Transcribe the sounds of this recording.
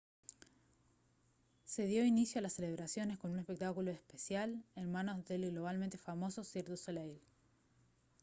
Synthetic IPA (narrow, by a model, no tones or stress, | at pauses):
se̞ðjo̞inisjoalasːele̞β̞ɾasjo̞ne̞sko̞nunespe̞k̚t̪akuloespesjalenmãno̞zðelɣlo̞β̞alment̪efamo̞soseɾðuselejl